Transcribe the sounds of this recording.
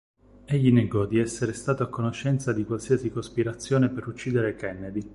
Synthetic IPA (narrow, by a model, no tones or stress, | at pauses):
eʎːineɡɔd̪iɛsːeɾest̪aːt̪oakːonoʃːɛnt̪sad̪ikwalsiasikospiɾat̪sːjoːnepeɾut͡ʃːiːd̪eɾekɛnːed̪i